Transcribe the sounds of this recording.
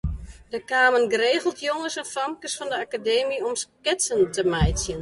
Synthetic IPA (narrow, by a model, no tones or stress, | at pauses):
dəkaːmənɡəɾeːɣəlˠtʰjoŋəsɛnfɔmkəsfɔndəakadeːmiɔmskɪtsəntəmɛjsjən